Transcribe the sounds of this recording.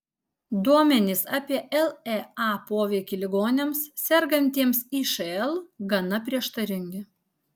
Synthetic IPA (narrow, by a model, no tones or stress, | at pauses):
d̪uɔmʲɛnʲɪsɑːpʲiɛʔɛlˠɛɑːpoːʋʲɛɪkʲɪlʲɪɡoːnʲɛmssʲɛɾɡɐnʲt̪ʲiɛmsiːʃɐɛlˠɡɐnɐpʲɾʲiɛʃt̪ɐɾʲɪŋʲɡʲɪ